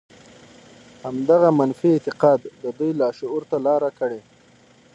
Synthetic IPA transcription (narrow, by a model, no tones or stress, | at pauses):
hamd̪aɣamanfiːt̪ɪqɑd̪ːəd̪ujlɑʃʊuɾt̪alɑɾakəɽe